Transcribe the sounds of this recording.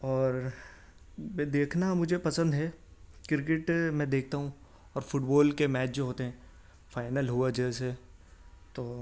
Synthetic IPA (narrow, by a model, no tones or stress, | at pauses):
ɔːɾ | mɛd̪eːkʰnamʊd͡ʒʱepɐsə̃nd̪ɦɛkɪɾk̬ɪʈmɛ̃d̪eːkʰt̪aɦũ | ɔːɾfʊʈbɔːlkemɛːt͡ʃd͡ʒoɦoːt̪eɦɛ̃ | faːɪnəlɦuad͡ʒɛːse | t̪oː